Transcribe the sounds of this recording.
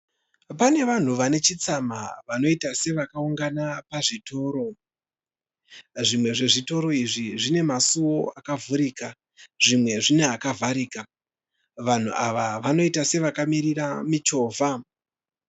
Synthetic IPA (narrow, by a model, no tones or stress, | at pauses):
pane̞ʋan̤uʋane̞t͡ʃit͡samaʋano̞itase̞ʋakauŋɡanapaʐito̞ːɾo̞ | ʐimwe̞ʐe̞ʐito̞ɾo̞iʐiʐine̞masuo̞akavuɾiːka | ʐ̥imwe̞ʐineakavʱaɾiːka | ʋan̤ṵʔaʋaʋano̞itase̞ʋakamiɾiramit͡ʃo̞ːvʱa